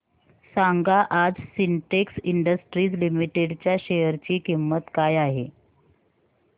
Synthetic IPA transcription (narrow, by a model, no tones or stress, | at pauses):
saŋɡaʔad͡zsiɳʈeksiɳɖəsʈɾiːd͡zlimiʈeɽt͡ɕjaɕejəɾt͡ɕiːkimːət̪kajaɦe